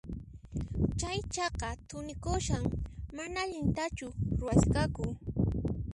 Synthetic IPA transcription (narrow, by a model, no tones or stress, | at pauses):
t͡ʃajt͡ʃɑqɑt̪ʊnɪkʊʃaŋmanaːʎɪnt̪at͡ʃʊɾʊwaskakʊ